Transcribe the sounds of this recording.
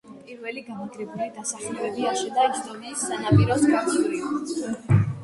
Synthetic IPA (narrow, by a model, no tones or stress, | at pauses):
pʼiɾvɛliɡamaɡɾɛbuɾaid̪asaχlɛbɛbiaʃɛd̪ad̪ɔniːsːanapʼiɾɔskaɾʼiuɾi